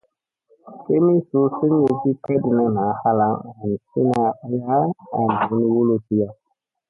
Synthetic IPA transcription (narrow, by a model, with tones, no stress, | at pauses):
ke˦mi˦su˦si˦ŋ˦je˨si˦tɛ˦di˨na˦na˨˦ha˦la˨˦ŋa˨n˨si˦na˨˧a˦la˦a˨n˨i˨˦ni˦wu˦lo˦ti˦ja˨